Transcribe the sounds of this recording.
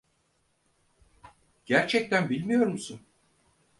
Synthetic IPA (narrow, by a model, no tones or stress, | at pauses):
ɟ̥æɾt͡ʃʰɛc̚t̪ʰænbilʲmijo̞ɾmusun